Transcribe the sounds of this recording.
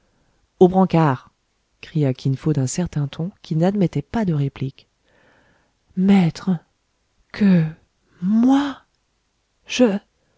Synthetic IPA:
obʁɑ̃kaːʁ | kχijakʲinfod̪ɛ̃sɛʁt̪ɛ̃t̪ʰɔ̃kʰʲinad̪mɛt̪ɛpad̪əʁeplik | mɛt̪χ | kʰə | mwa | ʒ̥ə

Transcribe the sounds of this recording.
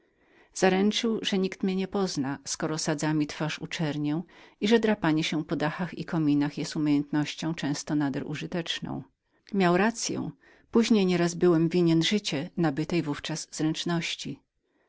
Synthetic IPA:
z̥aɾɛnt͡ʂɘwʐɛɲikt̪mʲɲɛɲɛpɔznaskɔɾɔsad̪zamʲit̪faʂṵt͡ʂɛɾɲɛw̃iʐɛd̪ɾapaɲɛɕɛpɔd̪axaxḭkɔmʲinaxjɛst̪umʲejɛnt̪nɔɕt͡ɕɔ̃w̃t͡ʂɛ̃w̃st̪ɔnad̪ɛɾʔṵʐɨt̪ɛt͡ʂnɔ̰̃w̃ | mʲjawɾat̪sʲjɛ̰w̃ | puʑɲejɲɛɾazbɘwɛmvʲiɲɛnʐɘt͡ɕɛnabɘt̪ɛjvuft͡ʂazzɾɛnt͡ʂnɔɕt͡ɕi

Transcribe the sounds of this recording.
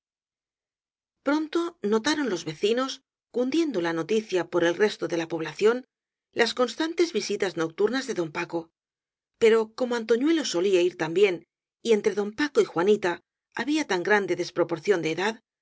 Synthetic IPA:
pɾo̞nt̪o̞no̞t̪aɾo̞nlo̞zβe̞θino̞s | kund̪je̞nd̪o̞lano̞t̪iθjapoɾe̞lre̞st̪oðe̞lapo̞β̞laθjo̞n | lʔasko̞nst̪ant̪e̞zβisit̪azno̞k̚t̪uɾnazðe̞ðo̞mpako̞ | pe̞ɾo̞ko̞moant̪o̞ɲwe̞lo̞so̞liaiɾt̪ambje̞n | ie̞nt̪ɾe̞ðo̞mpako̞ixwanit̪a | aβiat̪aŋɡɾand̪e̞ðe̞spɾo̞po̞ɾθjo̞nd̪eːðað

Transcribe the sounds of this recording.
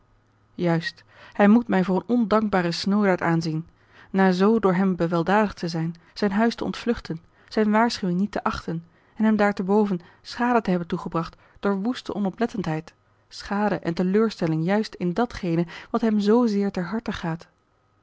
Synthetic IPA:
jœɥst | hɛjmutmɛjvʊːrənɔndɑŋɡ̚baːrəsnowdaːɹtaːnzin | naːzowdʊːɹɦɛmbəʋɛlˠdaːdəχtəzɛjn | z̥ɛjnɦœɥstəɔ̰ntflɵχtʰən | z̥ɛjnʋaːɹsχywɪŋnitəʔɑχtən | ɛnɦɛmdaːɹtəbowvən | sχaːdətəɦɛbəntuχəbrɑχt | d̥ʊːɹʋustə̰ʔɔnɔplɛtəntɦɛjt | sχaːdəʔɛntəløːɹstɛlɪŋjœɥstɪndɑtχejnəʋɑtɦɛmzowzɪːɹtɛɹɦɑɹtəχaːt

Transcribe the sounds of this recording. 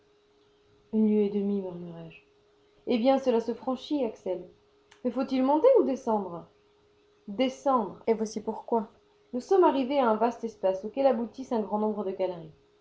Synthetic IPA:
ynløed̪əmimyʁmyʁɛʒ | ebjɛ̃səlasəfχɑ̃ʃiaksɛl | mɛfot̪ilmɔ̃t̪eud̪esɑ̃d̪ʁ | d̪esɑ̃d̪ʁevwasipuʁkwa | nusɔmaʁiveaɛ̃vast̪ɛspasokɛlabut̪isɛ̃ɡʁɑ̃nɔ̃bʁəd̪əkalɛ̃

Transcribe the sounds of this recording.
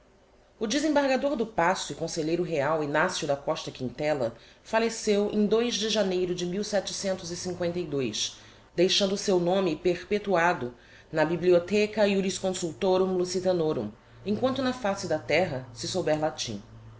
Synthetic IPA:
ʊd͡ʒɪzẽbaɾɡad̪oɾd̪ʊpasʊɪkõseʎejɾʊɦeawinasjʊd̪ɐkɔʃt̪ɐkĩnt̪ɛlɐ̰falesewʔḛ̃j̃d̪ojʒd͡ʒɪʒanejɾʊd͡ʒɪmiwsɛt͡ʃɪ̥sẽnt̪ʊzisĩŋkwẽnt̪ɐjd̪ojʃ | d̪ejʃɐ̃nd̪ʊsewnõmɪpehpet̪uad̪ʊ | nɐbibliot̪ɛkɐiudiskõsuwt̪oɾũlusit̪ɐnoɾṵ̃ | ẽkwɐ̃nt̪ʊnɐfasɪd̪ɐt̪ɛɦɐsɪsowbɛɾlat͡ʃḭ̃

